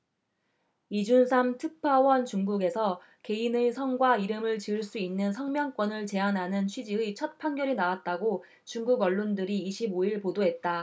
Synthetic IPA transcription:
id͡ʑunsʰamtʰɯpʰawʌnt͡ɕuŋɡuɡe̞sʰʌ | ke̞inɯsʰʌŋɡwaiɾɯmɯɭt͡ɕiɯɭs͈uinːɯnsʰʌŋmjʌŋk͈wʌnɯɭt͡ɕe̞anɦanɯnt͡ɕʰɥid͡ʑiit͡ɕʰʌt̚pʰaŋɡjʌɾinawat̚t͈aɡo | t͡ɕuŋɡuɡʌɭːondɯɾiːɕʰiboiɭpodoɦe̞t̚t͈a

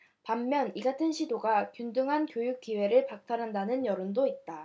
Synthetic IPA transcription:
pamːjʌniɡatʰɯnɕʰidoɡakjundɯŋɦankjojuk̚k͈iwe̞ɾɯɭpak̚t͈aɾɦandanɯnjʌɾɯndoit̚t͈a

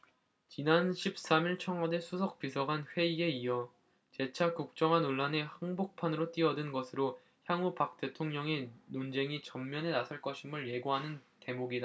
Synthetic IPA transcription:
t͡ɕinanɕʰip̚s͈amiɭt͡ɕʰʌŋɦade̞sʰusʰʌk̚p͈isʰʌɡanɸwe̞ie̞iʌ | t͡ɕe̞t͡ɕʰakuk̚t͡ɕ͈ʌŋɦanoɭːane̞haŋbok̚pʰanɯɾot͈iʌdɯnɡʌsʰɯɾo | çjaŋupak̚t͈e̞tʰoŋɲʌŋe̞nond͡ʑe̞ŋit͡ɕʌmːjʌne̞nasʰʌɭk͈ʌɕʰimɯɭje̞ɡoɦanɯn | ke̞moɡida

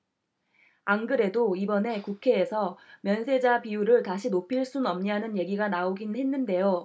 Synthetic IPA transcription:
aŋɡɯɾe̞doibʌne̞kukʰe̞ːsʰʌmjʌnsʰe̞d͡ʑapijuɾɯɭtaɕʰinopʰiɭs͈unʌmɲanɯnje̞ɡiɡanaoɡinɦe̞nːɯnde̞jo

